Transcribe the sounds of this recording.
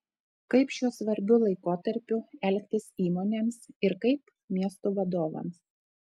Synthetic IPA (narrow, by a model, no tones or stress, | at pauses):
kɐɪpʃʲuɔsʋɐɾʲbʲʊlˠɐɪkoːt̪ɐɾʲpʲʊɛlʲkʲt̪ʲɪsiːmoːnʲeːmsɪɾkɐɪp | mʲiɛst̪uʋɐd̪oːʋɐ̰ms